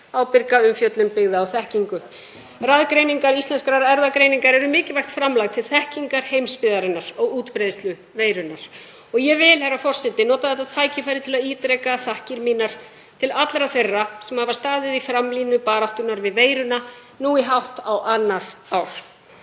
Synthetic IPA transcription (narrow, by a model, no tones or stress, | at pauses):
awpɪɾkaʏmfjœt̪lʏmpɪɣðaːwθɛhciŋkʏ | raðkɾejniŋkaɾist̪lɛnskɾaɾɛɾðakɾejniŋkaɾɛɾʏmɪːcɪvajxt̪fɾamlaɣt̪ʰɪlθɛhciŋkaɾ̥hejmspɪðaɾɪnaɾ̥ɔɣuːt̪pɾeðst̪lʏ | veːjɾʏnaɾ̥ | ɔɣjɛvɪlhɛɾafɔr̥sɛt̪ɪnɔːt̪aðɛt̪aðt̪ʰaːjcɪfajɾɪt̪ʰɪlaðiːt̪ɾɛkaθahcɪɾmiːnaɾ̥ | t̪ʰɪlat̪lɾaθejrːasɛmhavḁst̪aːðɪðifɾamliːnʏpaːɾawht̪ʏnaɾvɪðveːjɾʏna | nuːiɦawht̪awʔanːaɾ̥aːwl̥